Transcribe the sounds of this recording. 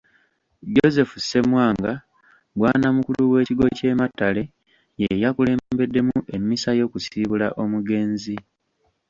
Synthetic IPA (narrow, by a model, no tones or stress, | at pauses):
ɟo̞ze̞fuse̞mwaːŋɡa | bwaːnamukuluwe̞ːciɡo̞ce̞ːmatːale̞ | jejakule̞ːmbe̞dːe̞muʔe̞mːisajo̞ːkusiːβulaʔo̞muɡe̞ːnzi